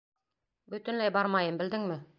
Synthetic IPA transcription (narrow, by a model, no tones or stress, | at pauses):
bɵ̆t̪ɘ̆nlæjbɑɾmɑjɤmbɘ̆ld̪ɘŋmɘ